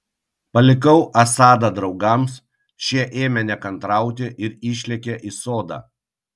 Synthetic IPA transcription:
pɐlʲɪkɐʊʔɐsɑːd̪ɐd̪ɾɒʊɡɐms | ʃʲiɛʔeːmʲɛnʲɛkɐnt̪ɾɑˑʊt̪ʲɪʔɪɾiːʃʲlʲɛkʲeʔiːsoːd̪ɑ̰ː

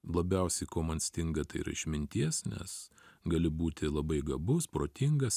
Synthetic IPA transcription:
lˠɐbʲɛʊsʲɛɪkoːmɐnsʲt̪ʲɪŋɡɐt̪ɐɪ̰ɾɐ̰ɪʃʲmʲɪnʲt̪ʲiɛsnʲɛ̰s | ɡɐːlʲɪbuːt̪ʲɪlˠɐbɐɪɡɐbʊspɾoːt̪ʲɪŋɡɐs

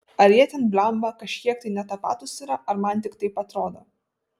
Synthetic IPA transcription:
ɐɾjiɛt̪ʲɛnbʲlʲɛmbɐkɐʃʲkʲiɛk̚t̪ɐɪnʲɛt̪ɐpɑ̰ːt̪ʊsʲɪɾɐʔɐɾmɐnt̪ʲɪkt̪ɐɪpɐt̪ɾoːd̪o

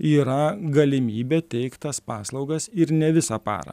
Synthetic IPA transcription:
iːɾɐɡɐlʲɪmʲiːbʲɛːt̪ʲɛɪkt̪t̪ɐspɑːslˠɒʊɡɐsɪɾnʲɛʋʲɪsɑpɑ̰ːɾɐ̰

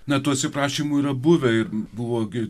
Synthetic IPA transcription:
nɐt̪uːɐt̪ʲsʲɪpɾɑːʃʲiːmuiːɾɐbʊʋʲɛɪrbʊʋoːɡʲɪ

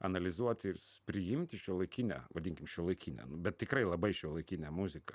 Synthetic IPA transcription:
ɐnɐlʲɪzuɔt̪ʲɪrspʲɾʲɪjɪmʲt̪ʲɪʃʲuɔlˠɐɪkʲinʲæ̰ʋɐd̪ʲiŋʲkʲɪmʃʲuɔlˠɐɪkʲinʲɛ̰nʊbʲɛt̪̚ʲtʲɪkɾɐɪlˠɐbɐɪʃʲuɔlˠɐɪkʲinʲæmʊzʲɪkɐ

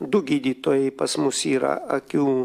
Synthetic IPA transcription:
d̪ʊɡʲiːd̪ʲiːt̪oːjɛɪpɐsmʊsiːɾɐ̰ɐkʲuː

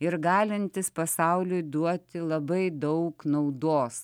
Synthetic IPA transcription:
ɪɾɡɑːlʲɪnʲt̪ʲɪspɐsɐʊlʲʊjd̪uɔt̪ʲɪlˠɐbɐɪd̪ɐʊknɐʊd̪oːs

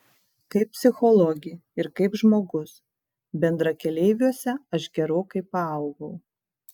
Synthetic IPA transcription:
kɐɪp̚ʲpʲsʲɪxɔlˠɔɡʲɪɪɾkɐɪpʒmoːɡʊs | bʲɛnd̪ɾɐkʲɛlʲɛɪʋʲuɔsʲɛɐʃɡʲɛɾoːkɐɪpɐɐʊɡɐʊ

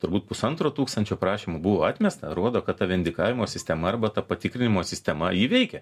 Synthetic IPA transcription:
t̪ʊɾbuːt̪̚pʊsɐnt̪ɾoːt̪uːkst̪ɐnʲt͡ʃʲoːpɾɑːʃʲimubʊʋoːɑt̪ʲmʲɛst̪ɐɾuɔd̪oːkɐt̪t̪ɐʋʲɛnʲd̪ʲɪkɑːʋʲɪmoːsʲɪsʲt̪ʲɛmɐɐrbɐt̪ɐpɐt̪ʲɪkɾʲɪnʲɪmoːsʲɪsʲt̪ʲɛmɐjiʋʲɛɪkʲɛ

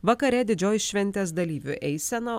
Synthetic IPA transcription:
ʋɐkɐɾʲɛd̪ʲɪd͡ʒʲoːjʃʲʋʲɛnʲt̪ʲeːs̬d̪ɐlʲiːʋʲʊ̰ʔɛɪsʲɛnɐ

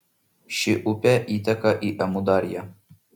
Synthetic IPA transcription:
ʃɪʔʊpʲɛʔiːt̪ɐkɐʔiʔɐmud̪ɑɾʲjɛ

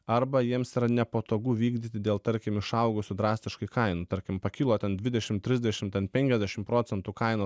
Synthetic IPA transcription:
ɐɾbɐjiɛmsiːɾɐnʲɛpoːt̪oːɡuːʋʲiːɡd̪ʲiːt̪ʲɪd̪ʲeːlˠt̪ɐɾʲkʲɪmɪʃɐʊɡʊsʲʊd̪ɾɑːsʲt̪ʲɪʃkɐɪkɐɪnut̪ɐɾʲkʲɪmpɐkʲɪlˠoːt̪ʲɛnd̪ʲʋʲɪd̪ʲɛʃʲɪmt̪ʲɾʲɪzʲd̪ʲɛʃʲɪmt̪ʲɛnpʲɛŋʲkʲɛzʲd̪ʲɛʃʲɪmpɾoːt̪sʲɛnt̪ukɐɪnoː

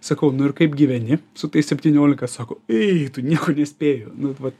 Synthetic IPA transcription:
sɐkɐʊnʊɪɾkɐɪpɡʲiʋʲɛnʲɪsʊt̪ɐɪssʲɛpʲt̪ʲiːnʲoːlʲɪkɐsɑːkoːɛt̪ʊnʲiɛkoːnʲɛsʲpʲeːjoːnʊʋɐt̪

